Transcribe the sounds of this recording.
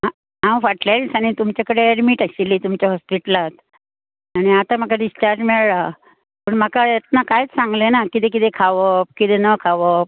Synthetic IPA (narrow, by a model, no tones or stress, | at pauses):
ɦã | ɦãwfaʈlasañit̪umt͡ɕakəɽeeɽmiʈaɕilːiːt̪umt͡ɕaɦɔspiʈəlat̪ | aɽ̃iat̪am̤akaɖist͡ɕaɾʈmeɭɭa | pəɳm̤akaet̪nakajt͡ssãŋɡlenakit̪ek̬it̪ekʰaʋəp̚kit̪enəkʰaʋəp̚